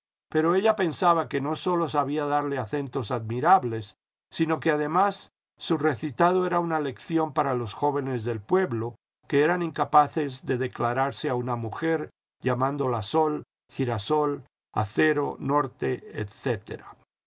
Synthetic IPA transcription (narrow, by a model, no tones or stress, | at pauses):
pe̞ɾo̞e̞ʎape̞nsaβake̞no̞so̞lo̞saβ̞iaðaɾleaθe̞nt̪o̞saðmiɾaβle̞sː | ino̞keaðe̞masː | ure̞θit̪að̞o̞e̞ɾaunale̞kθjo̞mpaɾalo̞sxo̞βe̞ne̞zðe̞lpwe̞βlo̞ | ke̞eɾaniŋkapaθe̞zðe̞ðe̞klaɾaɾseaunamuxe̞ɾ | ʝamãnd̪o̞laso̞l | xiɾaso̞l | a̰θe̞ɾo̞no̞ɾt̪e̞ḛt̪θe̞t̪ḛɾa